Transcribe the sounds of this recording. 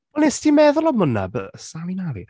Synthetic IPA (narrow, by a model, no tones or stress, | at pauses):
ɛlˠnɛstimɛðʊlˠɔməna̰bəsalˠinalˠḭ